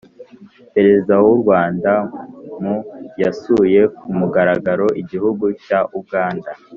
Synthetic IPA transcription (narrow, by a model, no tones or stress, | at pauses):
pe̞ɾe̞zizawuɾɡwaːndamujasuje̞kumuɡaɾaɡaɾo̞ʔiɟiɦuɡucaʔubɡaːnda